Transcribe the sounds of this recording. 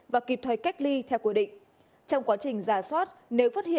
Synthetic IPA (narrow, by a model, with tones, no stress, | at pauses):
vaː˨˩ki˨˩p̚t̪ʰə˧˨˩jka˦˥jk̟̚li˧t̪ʰɛ˧wki˧˩ɗḭ˧˨ŋ̟ | t͡ɕɔ˧wŋ͡mkwaː˨˦t͡ɕï˨˩ŋ̟zaː˧˩swaː˦˥t̚ne˨˦wfaː˦˥t̚hḭ˧˨